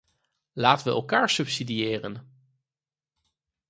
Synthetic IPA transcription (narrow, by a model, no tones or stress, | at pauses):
laːtəʋəɛ̰lˠkaːɹsɵpsidiɪːrən